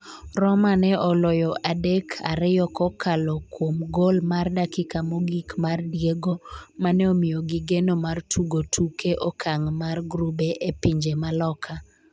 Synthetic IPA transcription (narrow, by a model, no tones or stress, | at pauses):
rɔmanɛʔɔlojɔʔadekʰa̰ɾɪjɔkɔkʰalɔkwomɡolmardakɪkamoɡikmardjeɡomanɛomɪjoɡiɡenomartʰuɡotʰukʰeʔɔkʰaŋmarɡɾubeʔepiɲd͡ʒemalɔkʰa